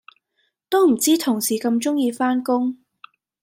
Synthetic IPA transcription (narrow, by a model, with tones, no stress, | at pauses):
t̪o˥m̩˨˩t͡siː˥t̪ʰʊ˨˩ŋsiː˨˩kɐ˧mt͡sʊ˥ŋjiː˧faː˥nkʊ˥ŋ